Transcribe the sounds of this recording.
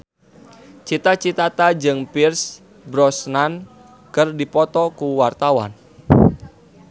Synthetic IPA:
t͡ʃit̪at͡ʃit̪at̪ad͡ʒɨŋpirs | bɾɔsnan | kɨrdipɔt̪ɔkuwart̪awa̰n

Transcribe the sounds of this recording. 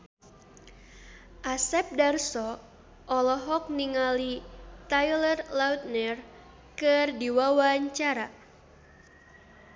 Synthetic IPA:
ʔasɛp̚darsɔ | ʔɔlɔɦɔk̚niŋalit̪ajlərlaut̪̚nɛr | kɨrdiwawaɲt͡ʃaɾa

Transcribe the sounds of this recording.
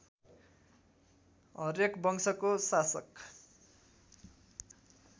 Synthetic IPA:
ʌrekbʌŋsʌkosasʌk

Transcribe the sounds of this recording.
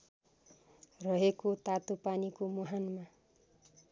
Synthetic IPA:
rʌɦekot̪at̪opanikomuɦanma

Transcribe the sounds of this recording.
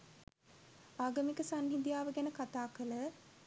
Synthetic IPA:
aːɡəmikəsaŋɦid̪jaːʋəɡænəkat̪aːkələ

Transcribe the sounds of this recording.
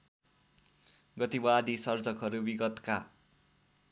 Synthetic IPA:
ɡʌt̪ibad̪ʱisʌrd͡zʌkɦʌɾubiɡʌt̪ka

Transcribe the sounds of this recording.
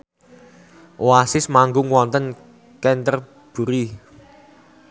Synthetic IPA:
wasɪsmaŋɡʊŋwɔnt̪ən | kɛnt̪ər | b̥ṳɾi

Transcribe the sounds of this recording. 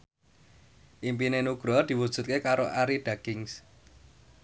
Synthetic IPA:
ʔimpinenuɡ̥ɾɔd̪̥i̤wud̥ʒ̥ṳt̪̚kekaɾoʔaɾiɖ̪̥aɡ̥ɪŋs

